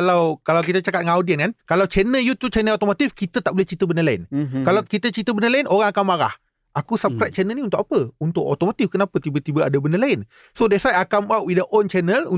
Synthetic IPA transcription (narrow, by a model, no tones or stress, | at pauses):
lawkalawkit̪ət͡ʃakat̪̚ŋãawdiənkankalawt͡ʃɛnəljut̪ut͡ʃɛnəlat̪omot̪ifkit̪ət̪aʔbolɛht͡ʃit̪əbənəlaɪ̰nkalawkit̪ət͡ʃit̪əbənəlaɪnʔoɾaŋakanmaɾa̰h | ʔakusap̚kɾajt̪̚t͡ʃɛnəlnĩunt̪ʊkapəunt̪ʊʔo̰t̪omot̪ifkənapət̪ibət̪ibəadabəndəlaɪn | sodɛsajakambawʔwidaʔɔnt͡ʃɛnəlu